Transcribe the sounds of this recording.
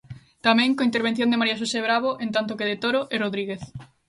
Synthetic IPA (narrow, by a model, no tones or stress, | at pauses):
t̪amɛ̃ŋkoint̪eɾβ̞enθjõnd̪emaɾiaʃ̬oseβɾaβ̞oʔent̪ant̪̬okeðet̪oɾoʔeroðɾiɣeθ